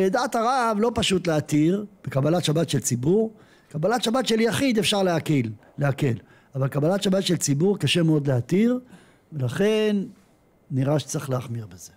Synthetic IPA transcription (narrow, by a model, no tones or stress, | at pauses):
ed̪at̪aʁavlo̞paʃut̪leat̪iʁb̥ekabalatʃabat̪ʃelt͡sibuʁ | kabalatʃabat̪ʃeljaχid̪efʃaʁleakilː | eake̞l | avalkabalatʃabatʃelt͡sibuʁkaʃemeo̞d̪leat̪iʁ | velaχenː | iʁaʃe̥t͡seχleaχmiʁbeze